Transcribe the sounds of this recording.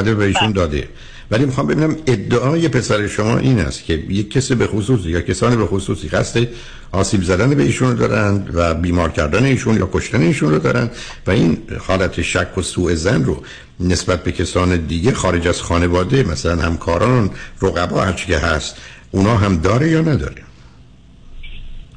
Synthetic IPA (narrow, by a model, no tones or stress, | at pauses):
d̪eveiːʃund̪ɒːd̪e̞̰ | vælimixɒːmbebiːnæmed̪ːeʔɒːje̞pʰe̞sæɾe̞ʃomɒ̰ːʔiːnæ̰st̪cʲʰe̞jekʰːesibe̞xosuːsijɒːcʰesɒːnibexosuːsiːʁæ̰st̪e | ʔɒːsiːbzæd̪ænebeiːʃund̪ɒ̰ːɾænd̪væbiːmɒːɾcʰæɾd̪æne̞iːʃunjɒ̰ːkʰo̞ʃt̪æne̞iːʃunrod̪ɒ̰ːɾænd̪ | væiːnhɒːlæt̪ʰeʃækʰːosuːe̞zænro̰ | ne̞sbæt̪̚be̞cʰesɒːned̪iːɟexɒːɾe̞d͡ʒæz̥xɒːne̞vɒːd̪emæsælænhæmkʰɒːɾɒːnroɣæbɒ̰ːhæɾt͡ʃʰe̥cʰe̞ɦæst̪ʔunɒːɦæmd̪ɒːɾe̞jɒːnæd̪ɒ̰ːɾe